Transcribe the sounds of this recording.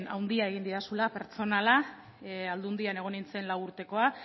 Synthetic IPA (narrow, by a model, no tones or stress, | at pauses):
na̰wnd̪iae̞ɣind̪iɾasulape̞ɾt͡so̞nala | ald̪und̪iane̞ɣ̞o̞nint͡se̞nlawuɾt̪e̞ko̞a